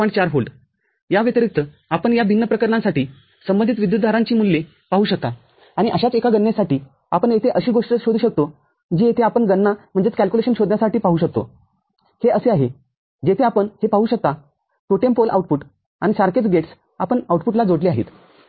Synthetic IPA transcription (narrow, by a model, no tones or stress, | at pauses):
əɳt͡ɕaɾɦolɖ | jaʋet̪ɾik̚t̪ə | apəɳjabʱinːəpɾəkəɾɳãsaʈiː | səmbənd̪ʱit̪ʋid̪jut̪d̪ʱaɾãɲt͡ɕiːmulːe | paɦuːɕək̚t̪a | aɽ̃iʔəɕat͡sekaɡənːesaʈiː | apəɳjet̪ʰeʔəɕiːɡoʂʈəɕod̪ʱuːɕək̚t̪o | d͡ʑiet̪ʰeapəɳɡənːam̤əɳd͡zet͡skælkuleɕənɕod̪njasaʈiːpaɦuːɕək̚t̪o̰ | heəseaɦe | d͡ʑet̪ʰeapəɳhepaɦuːɕək̚t̪a | ʈoʈempolʔauʈ̚puʈ | aɽ̃isaɾket͡sɡeʈs | apəɳauʈpuʈlad͡zoɽliaɦḭt̪